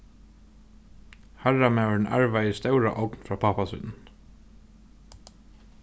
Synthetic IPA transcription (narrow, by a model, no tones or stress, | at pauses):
hæɹamɛːnæ̰ɹʋajəst̪œwɹa̰ʔɔknfɾaːpʰapasʏ̰ːnn